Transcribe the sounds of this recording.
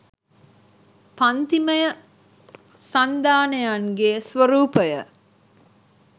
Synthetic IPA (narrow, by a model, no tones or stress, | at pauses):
pant̪iməjə | sand̪aːnəjaŋɡeːsʋəɾuːpəjə